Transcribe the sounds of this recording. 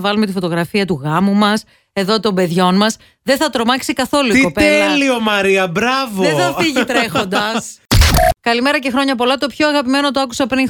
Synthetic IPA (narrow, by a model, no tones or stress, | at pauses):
vɐlume̞t̪ifo̞t̪o̞ɣɾɐfiɐt̪uɣɐmumɐs | e̞ðo̞t̪o̞mbe̞ðʝo̞nmɐs | ðeθɐt̪ɾo̞mɐksikɐθo̞luiiotpeelio̞mɐɾiɐbɾɐvoðeθɐfiʝit̪ɾexo̞nd̪ɐs | kɐlime̞ɾɐce̞xɾo̞ɲɐp̬o̞lɐt̪o̞pço̞ɐɣɐpime̞no̞t̪oɐkusɐpɾi